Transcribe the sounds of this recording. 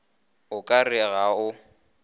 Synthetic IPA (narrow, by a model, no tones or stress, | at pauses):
ʊkʼarɪɣaʊ